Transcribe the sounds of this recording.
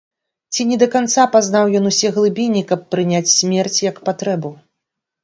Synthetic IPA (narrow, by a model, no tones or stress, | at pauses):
t͡sʲinʲɛd̪ɐkant̪sapaznawjɔnusʲɛɣlˠɨbʲinʲikɐpːɾɨnʲat͡sʲsʲmʲɛrt͡sʲjɐkpat̪ɾɛbu